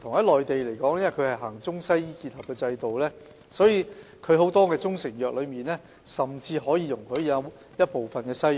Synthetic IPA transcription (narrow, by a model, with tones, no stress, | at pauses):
t̪ʰʊ˨˩ŋjɐ˥lɔː˨jt̪e˨jle˨˩jkɔː˨˥ŋjɐ˥mɐ˨jkʰɵ˨˧ɥhɐ˨jɦaː˨˩ŋt͡sʊ˥ŋsɐ˥jjiː˥ki˧t̚hɐ˨p̚kɛː˧t͡sɐ˧jt̪o˨wlɛː˥ | sɔː˨˥jiː˨˧ | kʰɵ˨˧ɥho˨˥wt̪ɔː˥kɛː˧t͡sʊ˥ŋsɪ˨˩ŋjœː˨k̚lɵ˨˧ɥmiː˨nlɛː˥ | sɐ˨mt͡siː˧ɦɔː˨˥jiː˧jʊ˨˩ŋkʰɵ˨˧˥ɥjɐ˨˥ | jɐ˥t̚po˨wfɐ˨nkɛː˧sɐ˥j